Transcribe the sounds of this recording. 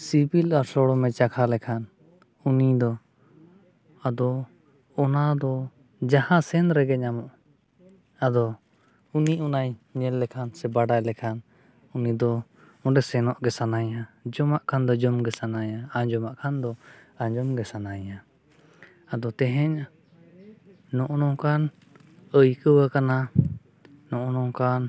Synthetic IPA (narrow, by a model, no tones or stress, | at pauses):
sibilaɾsɔɽɔmɛt͡ʃakʰalɛkʰan | unid̪ɔ | ad̪ɔ | ɔnad̪ɔ | d͡ʒahãsɛnɾɛɡɛɲamɔʔ | ad̪ɔ | uniunajɲɛlːɛkʰansɛbaɖajlɛkʰan | unid̪ɔ | ɔ̃ɖɛsɛnɔʔɡɛsanajad͡ʒɔmaʔkʰand̪ɔd͡ʒɔmɡɛsanajaad͡ʒɔmaʔkʰand̪ɔ | ãɲd͡ʒɔmɡɛsanaja | ad̪ɔt̪ɛɦɛɲa | nɔʔɔnɔkan | əjkəwakana | nɔʔɔnɔkan